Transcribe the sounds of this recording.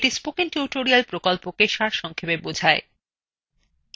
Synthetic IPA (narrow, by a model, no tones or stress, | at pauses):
ʈispokiŋʈuʈoɾialpɾokolpokeʃaɾʃɔŋkʰepebod͡ʑʱae